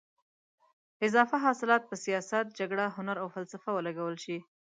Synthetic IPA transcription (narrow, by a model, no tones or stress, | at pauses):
ɪzɑfaɦɑsɪlɑt̪̚pəsijɑsat̪̚d͡ʒaɡɽaɦʊnaɾawfalsafawəlaɡawəlʃi